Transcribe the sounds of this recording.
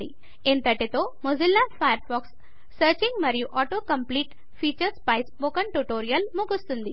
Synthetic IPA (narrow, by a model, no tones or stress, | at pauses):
ḭ | ent̪ɐʈet̪omozilːafajəɾfɔːksː | əɾt͡ʃiŋɡmɐɾjuʔɔʈokɐmpliːʈ | fiːt͡ʃəɾspajsboːkəɳʈuʈoːɾijɐlmukust̪und̪i